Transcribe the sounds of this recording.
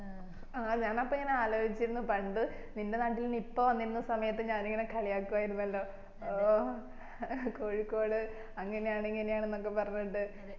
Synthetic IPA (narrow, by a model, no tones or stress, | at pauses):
aːɲaːnɐpːoeŋːɐneaːlo̞ːɕit͡ɕːiɾunːupɐɳɖɨ | ninde̞naːʈːilunipːo̞ːʋɐnːiɾunːɐsɐmɐjɐt̪ːɨɲaːneŋːɐnekʰɐɭijaːkːuʋaːjiɾunːɐlːo̞ː | koːɻikːo̞ːɽɨ | ɐŋːɐne̞jaːɳeŋːɐnejaːɳenːo̞kːe̞pɐrɐɲːuɳɖɨ